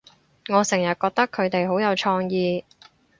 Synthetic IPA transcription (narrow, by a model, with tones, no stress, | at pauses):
ŋɔː˨˧sɪ˨˩ŋjɐ˨t̚kɔː˧k̚t̪ɐ˥kʰɵ˨˧ɥt̪e˨jɦo˨˥wjɐ˨˧wt͡ʃʰɔː˧ŋjiː˨˧